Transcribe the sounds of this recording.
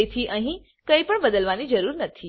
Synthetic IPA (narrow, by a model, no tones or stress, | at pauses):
et̪ʰiʔə̃ɦĩ | kəipəɳbəd̪əlʋanid͡ʒəɾuɾnət̪ʰi